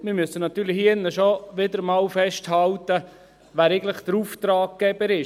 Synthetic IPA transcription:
mɪɾmøsːənɑt̪yːɾlɪhinːəʃoʋɪd̪əɾmɑːwfɛʃthɑlt̪ə | ʋæːɾeɪɡn̩tlɪχd̥̪əɾuːft̪ɾɑːɡ̚ɡ̥ɛbəɾɪ

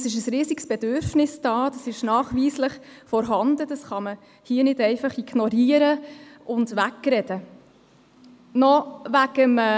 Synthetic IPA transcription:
sɪʃ̬əsɾiːziksb̥ɛd̥øɾfnɪsd̥ɑːd̥ɑsɪʃnɑːχʋiːsləχfɔɾɦɑnd̥̪əd̥ɑsχɑmə | hiːənɪdɛɪfɑχiɡ̥nɔɾiːəɾəʊndʋækːɾɛd̥ə | nɔʋæɡəmː

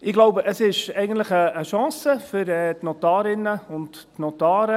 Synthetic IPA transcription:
ɪɡloʊbəʔəsɪʃɛɪɡən̩tləχəːʃɑ̃ːsəfʏɾɛːtnɔtɑːɾɪnːəʊntː | nɔt̪ɑːɾə

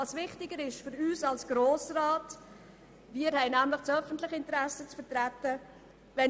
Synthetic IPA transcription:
ɑːsvɪχtɪɡəɾɪʃfʏɾyːsɑlsɡ̥ɾoːsrɑːt | viːəɾhɛɪnæmlɪχt͡sœfəntlɪχəɪntəɾæsət͡sfəɾtɾætːə | vɛ

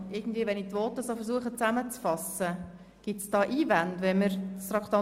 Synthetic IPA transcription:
ɪɡn̩dviːəʋɛnitʋɔːt̪əsoːfəɾsuəχət͡sæmət͡sfɑsə | ɡ̥ɪt̪sd̥ɑːʔiːvændʋɛməɾstɾɑkʰt̪ɑ

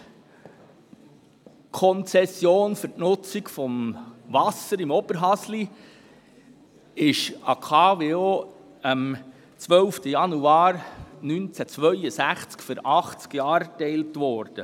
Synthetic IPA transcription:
kʰɔnt͡sɛsjoːnfɵɾtnʊt͡sikfɔmvɑsəɾɪmɔb̥əɾɦɑsli | ɪʃɑ̰kʰɑːveoː | ɑm | t͡sʋœlftəjɑnuɑːɾnynt͡sæt͡sʋœʏəsæχt͡skfʏɾɑχt͡skjɑːɾtɛɪltʋɔːɾd̥ə

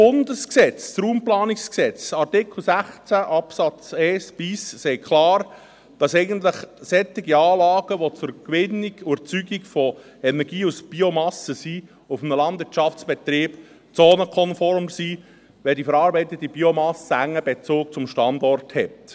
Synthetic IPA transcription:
b̥ʊndəsksɛt͡ssruːmplɑːnɪksksɛt͡sɑrtɪkl̩ˠsæχt͡sæʔɑpsɑt͡sɛɪsb̥issɛɪkʰχlɑːɾ | d̥ɑsɛɪɡənt̪ləχsɛt̪iɡiɑːlɑːɡ̥əʋot͡sʊɾkʋɪnːiɡuɾt͡syɡikfɔ | ɛnɛɾɡiːusb̥iomɑsəsi | ʊfmnəlɑndʋɪɾt͡ʃɑft͡sb̥ɛt̪ɾiːb̥ | t͡soːnəkʰɔnfɔɾmsi | ʋɛldifəɾɑːɾbɛɪt̪ətib̥iomɑsəæŋːəbet͡sʊːk̚t͡sʊmʃtɑndɔrthɛt

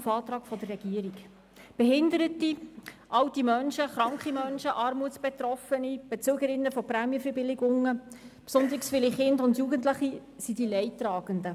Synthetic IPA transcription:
fɑːt̪ɾɑːkfɔd̥ərːɛɡ̥iəɾik | b̥ɛhɪnd̪əɾətiʔɑwtimœnʃəχɾɑŋkχimœnʃəʔɑɾmuətsb̥ɛt̪rɔfənib̥ɛt͡søːɡəɾɪnːəfɔpræːmjəfəbɪlɪɡʊŋːəpsʊnd̪əɾiksfɪliχɪndʊndjuːɡəntləχi | sidilɛɪtrɑːɡ̥əndə

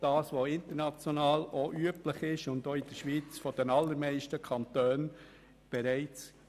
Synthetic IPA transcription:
d̥ɑːsʋoɪnt̪əɾnɑt͡sjɔnɑːloʔyəpləχɪʃʊndoːɪd̥əɾʃʋiːt͡sfɔd̥ɛnɑlːəɾmɛɪʃtəkʰɑntøːn | b̥ɛɾæɪt͡s

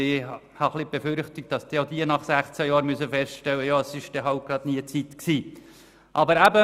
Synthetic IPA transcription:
ɪ | hɑχlib̥efʏɾχt̪ɪk̚t̚d̥ɑsd̥iod̪iənɑχsæχt͡sæjɑːɾmyəsəfɛstʃtɛwəjɑəsɪʃd̥̪ɛɦɑwt̚ɡ̥ɾɑd̪niət͡sit̪ksiː | ʔɑbəɾæbə

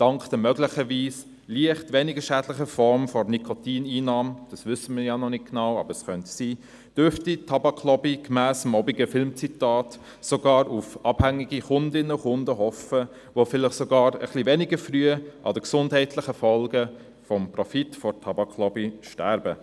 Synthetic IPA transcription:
d̥ɑŋkd̥əmœɡlɪχəviːs | liəχtʋɛnɪɡəʃæːdlɪχəfɔɾmfɔrnikʰɔtiːniːnɑːmd̥ɑsʋʏsəmɪːjanɔnɪt̚ɡnɑwɑ̰bəɾɛsχœntsiː | d̥øɾftitʰːɑbɑkʰlɔbikmæːsəmɔbiɡəfɪlmt͡sitɑːt | soɡɑːɾufɑb̥hæŋːiɡiχʊndɪnːəʊχʊndəɦɔfə | ʋofɪlɪχsoɡɑːɾə̰χlivɛniɡəɾfryːəʔɑ̰dəksʊndhɛɪtʰlɪχəfɔlɡə | fɔmprɔfitfɔɾtʰɑbɑkʰlɔbiʃtæɾbə

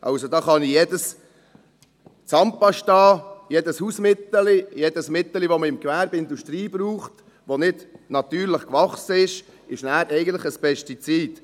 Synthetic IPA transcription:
ʔɑ̰ʊsodɑːχɑnijeːdəs | t͡sɑmpɑʃtɑːjedəshuːsmɪt̪ːəlijeːd̥əsmɪt̪ːəliʋoməɪmkvæːɾbɪnduʃtɾiːb̥ɾuːχt | ʋonɪdnɑt̪yːɾləχkʋɑχsəɪʃ | ɪʃnæːɾɛɪɡən̩t̪ləχəspʰɛʃtit͡siːd̥

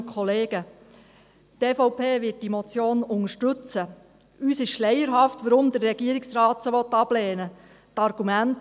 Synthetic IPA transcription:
kʰɔleːɡ̥ə | teːfɔʊpʰeːʋɪt̚d̥imɔt͡sjoːnʊŋəʃtʏt͡sə | yːsɪʃʃlɛjəɾɦɑftʋəɾʊmd̪ərːɛɡiəɾɪksɾɑːtsəʋɔt̪ːɑb̥leːnə | tɑɾɡ̥umænt

